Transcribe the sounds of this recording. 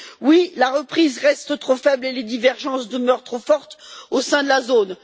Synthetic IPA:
wilaʁəpχizʁɛst̪t̪χofɛbleled̪ivɛʁʒɑ̃sd̪əmœʁt̪χofɔʁt̪osɛ̃d̪əlazon

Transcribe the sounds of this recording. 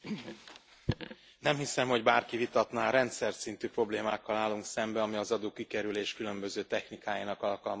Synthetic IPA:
nɛmhisɛmho̞ɟbaːrkivit̪ɒt̪naːɾɛnt̪sɛrt̪sint̪yːpro̞bleːmaːkːɒlaːlːuŋksɛmbɛɒmiɒzɒd̪oːkikɛɾyleːʃkylø̞mbø̞zøːt̪ɛxnikaːjinɒkɒlkɒlm

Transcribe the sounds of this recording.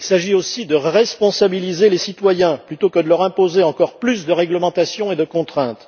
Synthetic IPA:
ilsaʒiosid̪əʁɛspɔ̃sabilizelesit̪wajɛ̃plyt̪okəd̪əlœʁɛ̃pozeɑ̃kɔʁplysd̪əʁɛɡləmɑ̃t̪asjɔ̃ed̪əkɔ̃t̪χɛ̃t̪

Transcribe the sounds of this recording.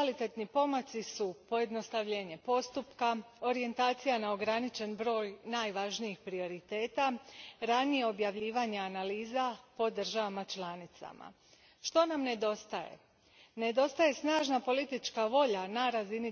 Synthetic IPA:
kalit̪et̪nipo̞mot̪sisupo̞je̞d̪no̞st̪aʋʎe̞ːɲe̞po̞st̪upkao̞ɾije̞nt̪aːt̪sijanao̞ɡɾanit͡ʃe̞nbɾo̞ːjnaːjʋaʒnijixpɾio̞ɾit̪e̞ːt̪aɾanije̞o̞bjaʋʎiːʋaɲeanaliːzapo̞d̪r̩ʒaʋamat͡ʃlˠanit̪sa̰ma̰ | ʃt̪o̞namne̞d̪o̞st̪ajḛ | ne̞d̪o̞st̪aje̞snaːʒnapo̞lit̪it͡ʃkaʋo̞ʎanaɾazini

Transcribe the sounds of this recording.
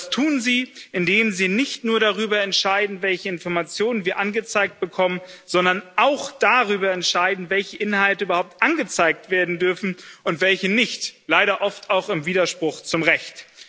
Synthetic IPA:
astʰuːnziːʔɪndeːmziːnɪçtnuːɐɾaʁyːbɐɛntʃaɪdn̩vɛlçəɪnfɔɐmat͡sjoːnənviːɐʔanɡət͡saɪk̚t̚b̥əkʰɔmənzɔndɐnʔaʊxd̥aʁyːbɐɛntʃaɪdn̩vɛlçəʔɪnhaltəʔybɐhaʊp̚tʔanɡət͡saɪk̚tv̥eːɐdn̩dʏɐfn̩ʊntv̥ɛlçənɪçtlaɪɾɐʔɔftaʊxɪmviːdɐʃpʁ̥ʊxt͡sʊmʁɛçt

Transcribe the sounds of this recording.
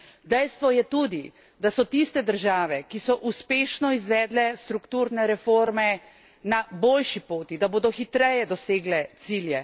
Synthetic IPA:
d̪ɛjst̪ʋɔjɛt̪uːd̪i | d̪asɔt̪ist̪ɛd̪əɾʒaːʋɛkisɔʔuspeːʃnɔizʋɛːd̪lɛst̪ɾukt̪uɾnɛɾɛfoːɾmɛ | naboːlʃipoːt̪id̪aboːd̪ɔxit̪ɾɛjɛd̪ɔseːɡlɛt̪siljɛ

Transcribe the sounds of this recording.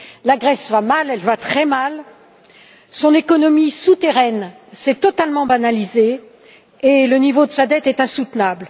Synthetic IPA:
laɡʁɛsvamalɛlvat̪χɛmal | sɔ̃nekɔnɔmisut̪eʁɛn | sɛt̪ɔt̪almɑ̃banalizeː | lənivod̪əsad̪ɛt̪ɛt̪ɛ̃sut̪nabl

